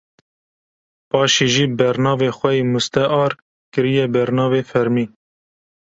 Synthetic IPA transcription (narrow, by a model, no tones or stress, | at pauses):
pɑːʃiːʒiːbɛɾnɑːveːxʷɛimust̪ɛʔɑːɾ | kɨɾijɛbɛɾnɑːveːfɛɾmiː